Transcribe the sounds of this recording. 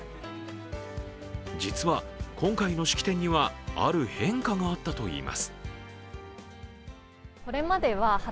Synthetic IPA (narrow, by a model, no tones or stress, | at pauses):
d͡ʑit͡sɨβakʰõ̞ŋkaino̞ɕi̥kʲi̥t̪ẽ̞ɲ̟ːiβaa̰ɾɯ̟hẽ̞ŋkaŋaːt̪ːat̪o̞ḭːmʔa̰sɨ̥ | ko̞ɾe̞mad̪e̞βaha